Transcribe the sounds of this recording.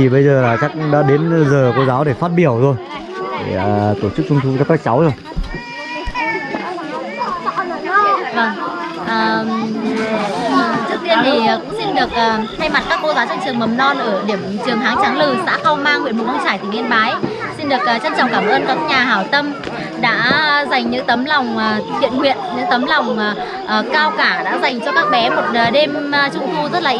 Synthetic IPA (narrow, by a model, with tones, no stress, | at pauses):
i˨˩ɓə˧jzəː˨˩laː˨˩t͡ɕa˦˥k̚ɗa̰ː˧˦ɗe˨˦n˧zəː˨˩ko˧zaː˨˦wɗe˧˩faː˦˥t̚ɓi˧˩əwt̪ʰo˧j | ɗe˧˩əː˨˩t̪o˧˩t͡ɕɨ˦˥k̚t͡ɕʊ˧ŋ͡mt̪ʰu˧kaː˦˥kːaː˦˥k̚t͡ɕa˨˦wzo˧˩j | və˧˩ŋ | ʔəː˨˩˨ | t͡ɕɨ˦˥ək̚t̪i˧ənt̪ʰi˨˩ʔːkʊ̰˧˥ŋ͡msi˧nɗɨ˨˩ək̚ʔəː˨˩t̪ʰa˧jma˨˩t̚kaː˦˥kːo˧zaː˨˦wt͡ɕa˦˥k̚t͡ɕɨ˨˩əŋmə˨˩mnɔ˧nʔəː˧˩ɗi˧˩əmt͡ɕɨ˨˩əŋɦaː˨˦ŋt͡ɕaː˨˦ŋlɨ˨˩sa̰ː˧˥xə˧wmaː˧ŋwḭ˧˨nmo˨˩kə˧ŋ͡mt͡ɕaː˧˩jt̪ʰi˨˩ʔi˧nɓaː˨˦jsi˧nɗɨ˨˩ək̚ə˨˩t͡ɕə˧nt͡ɕɔ̰˧˨wŋ͡mkaː˧˩mʔəː˧nkaː˦˥k̚ɲaː˨˩ɦaː˧˩wt̪ə˧m | ɗa̰ː˧˥za˨˩jŋ̟ɲɨ̰˧˥ŋt̪ə˨˦mlɔ˨˩wŋ͡mhḭ˧˨ənŋwḭ˧˨ənɲɨ̰˧˥ŋt̪ə˨˦mla˨˩wŋ͡m | ʔəː˨˩kaː˧wkaː˧˩ɗa̰ː˧˥za˨˩jŋ̟t͡ɕɔ˧kaː˦˥k̚ɓɛ˨˦mo˨˩t̚ːɗe˧m˧t͡ɕʊ̰˧˩t̪ʰu˧zə˦˥t̚laː˨˩